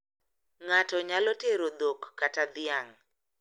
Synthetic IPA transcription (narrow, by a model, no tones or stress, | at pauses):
ŋatɔɲalɔteɾod̪okːatad̪ɪaŋ